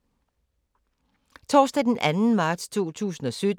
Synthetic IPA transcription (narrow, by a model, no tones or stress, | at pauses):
t͡sʰɒːsd̥ɛd̥enʔænn̩mɑ̈ːd̥st͡sʰo̝̰ːt͡sʰṵːsn̩ɒ̽sød̥